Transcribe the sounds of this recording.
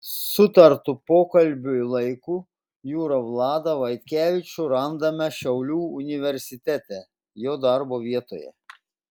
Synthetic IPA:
sʊt̪ɐɾt̪ʊpoːkɐlʲbʲʊɪlˠɐɪkuː | juːɾɐʋlˠɑːd̪ɐʋɐɪt̪ʲkʲæːʋʲɪt͡ʃʲuɾɐnd̪ɐmʲɛʃʲɛʊlʲuːʊnʲɪʋʲɛɾʲsʲɪt̪ʲæt̪ʲɛ | joːd̪ɑɾboːʋʲiɛt̪o̰ːjɛ̰

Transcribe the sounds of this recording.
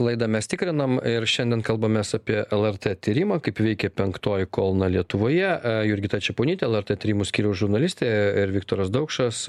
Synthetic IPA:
lˠɐɪd̪ɐmʲɛst̪ʲɪkɾʲɪnɐmɪɾʃʲɛnd̪ʲɛnkɐlˠbɐmʲɛsɑpʲiɛʔɛlˠɛɾʲt̪ɛt̪ʲiːɾʲɪmɑːkɐɪpʋʲɛɪkʲɛpʲɛŋkt̪oːjɪkoːlˠnɐlʲiɛt̪ʊʋoːjɛjʊɾʲɡʲɪt̪ɐt͡ʃʲɛpoːnʲiːt̪ʲɛɛlˠɛɾʲt̪ɛt̪ʲiːɾʲiɪmʊsʲkʲiːɾʲɛʊʒʊɾnɐlʲɪsʲt̪ʲeːɪɾʋʲɪkt̪oːɾɐsd̪ɐʊkʃɐs

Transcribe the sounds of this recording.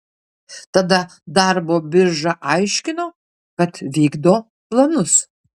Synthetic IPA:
t̪ɐd̪ɐd̪ɐɾboːbʲɪɾʒɐʔɐɪʃʲkʲɪnoː | kɐt̪ʋʲiːɡd̪oː | plˠɐnʊs

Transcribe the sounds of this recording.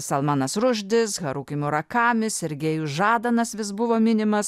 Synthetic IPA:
sɐlˠmɑːnɐsɾʊʒʲd̪ʲɪsɣɐɾuːkʲɪmʲʊɾɐkɑːmʲɪsɛɾʲɡʲeːjusʒɑːd̪ɐnɐsʋʲɪsbʊʋoːmʲɪnʲɪmɐs

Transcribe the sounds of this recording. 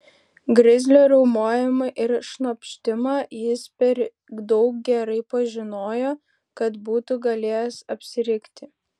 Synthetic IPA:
ɡɾʲɪzʲlʲoːɾʲɛʊmoːjɪmɐʔɪɾʃnɐpʲʃʲt̪ʲɪmɑːjɪspʲɛɾ | d̪ɔʊk̚ɡʲɛɾɐɪpɐʒʲɪnoːjoː | kɐt̪buːt̪uɡɐlʲeːjɛsɐpʲsʲɪɾʲɪkt̪ʲɪ

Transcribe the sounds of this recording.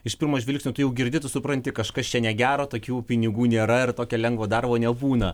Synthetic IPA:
ɪʃpʲɪrmoːʒʲʋʲɛlʲɪksʲnʲot̪ʊjɛʊɡʲɪɾʲd̪ʲɪt̪ʊsʊpɾɐnʲt̪ʲɪkɐʃkɐst͡ʃʲɛnʲɛɡʲæːɾoːt̪oːkʲuːpʲɪnʲɪɡuːnʲeːɾɐɪrt̪oːkʲɛlʲɛŋɡʋoːd̪ɐrboːnʲɛbuːnɐ

